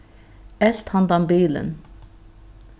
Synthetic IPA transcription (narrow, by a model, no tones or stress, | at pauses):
ɛɬt̪hand̪ambiːlə̰n